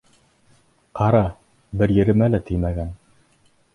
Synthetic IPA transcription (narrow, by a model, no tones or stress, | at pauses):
qɑɾɑ | bɘɾjɘ̆ɾɘ̆mælæt̪ʰɘjmæɡæn